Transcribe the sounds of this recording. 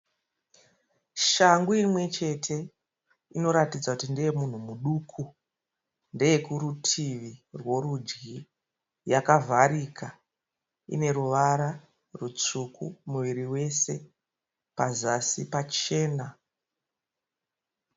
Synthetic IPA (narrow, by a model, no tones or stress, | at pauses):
ʃaŋɡuimwe̞t͡ʃe̞tʰe̞ | ino̞ɾatid͡zakutindejemun̤umuɗuːkʰu | nde̞jekuɾutʰiʋirwo̞ɾud͡ʒɡi | jakavʱaɾikʰa | ḭne̞ɾuʋaɾa | rut͡sukʰṵmuʋiɾiwe̞se̞ | pazasipat͡ʃe̞ːna